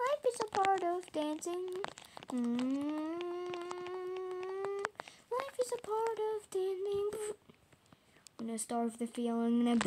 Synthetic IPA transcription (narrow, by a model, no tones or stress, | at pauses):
laɪfɨzəpʰɑɹɾʌvdæ̃nsɪ̃ŋ̩ | laɪfɨzəpʰɑɹɾʌvdæ̃nsɪ̃ŋ | wə̃nɨstɑɹʌvðɨfilˠɪ̃ŋɨ̃nɨb